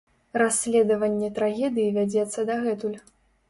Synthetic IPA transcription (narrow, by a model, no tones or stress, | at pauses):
rasʲlʲɛd̪ɐvɐnʲːɛt̪ɾaɣʲɛd̪ɨjivʲad͡zʲɛt̪sːɐd̪aɣɛt̪ulʲ